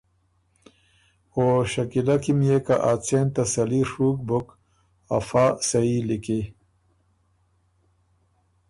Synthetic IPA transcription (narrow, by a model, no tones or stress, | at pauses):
oɕɐkilɐkimjekaʔaːt͡sent̪ɐsɐliʂuːk̚buk | ɐ̰faːsɐiliki